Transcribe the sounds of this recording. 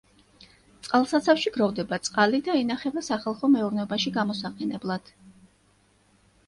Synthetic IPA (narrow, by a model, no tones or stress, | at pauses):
t̪sʼqʼalˠsat̪sʰafʃiɡɾɔvd̪ɛbat̪sʼqʼalid̪aɛnaχɛbasaχalˠχɔmɛuɾnɛɔbaʃiɡamɔsaqʼɛnɛblˠad̪̥